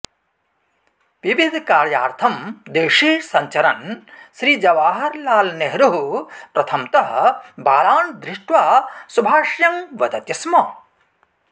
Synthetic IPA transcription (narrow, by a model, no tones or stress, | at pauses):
ʋiʋid̪ʱkaːɾjaːɾt̪ʰɐmd̪eːʂiːsɐɲt͡ʃɐɾɐnsɾiːd͡ʒɐʋaːɦɐɾlaːlneɦɾuɦupɾɐt̪ʰɐmt̪ɐɦɐ̆baːlaːnd̪ɾɪʂʈʋaːsubʱaːʂjɐŋʋɐd̪ɐt̪jɐsmɐ